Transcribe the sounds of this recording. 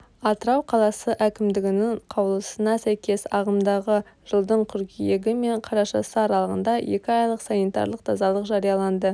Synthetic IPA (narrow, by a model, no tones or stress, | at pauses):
ɑt̪əɾɑwqʰɑlˠɑsəʔækʲɪmd̪ɪɡʲɪnɪɴqʰɑwlˠəsənɑsæjkʲe̞sɑʁəmd̪ɑʁəʒ̥əlˠd̪əɴqʲʰʏɾkʲijeɡʲɪme̞ɴqʰɑɾɑʃɑsəɑɾɑlˠəʁənd̪ɑje̞̰kʲɪɑjlˠəqsɑnit̪ɑ̰ɾlˠəq̚t̪ʰɑzɑlˠəqʒɑɾijɑlˠɑnd̪ə